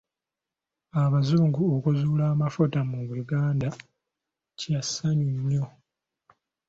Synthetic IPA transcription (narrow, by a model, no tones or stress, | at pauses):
aβazuːŋɡuokuzuːlaːmafutamuβujuɡaːnda | casaɲiɲːo